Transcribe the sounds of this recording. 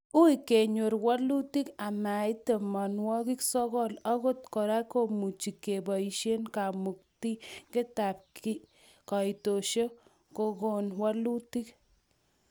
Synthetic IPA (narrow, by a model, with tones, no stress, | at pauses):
u˦ike˨ɲo˨ɾwa˦lu˦ti˦ka˨ma˨i˦te˨ma˨nwɔ˦ki˦ksɔ˦kɔ˦la˦ko˦tkɔ˨ɾa˦ko˦mu˨t͡ʃi˨ke˨bɔ˨iʃe˦nka˨mu˨k̚ti˦kɪ˦ta˨p̚ki | ka˨i˨to˨ʃo˦ | ko˨ko˦nwa˦lu˦ti˦k